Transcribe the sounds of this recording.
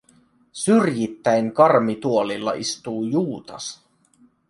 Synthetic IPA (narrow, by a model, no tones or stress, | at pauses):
syrjit̪ːæjŋkɑrmit̪uolilːɑ̰ʔist̪uːjuːt̪ɑs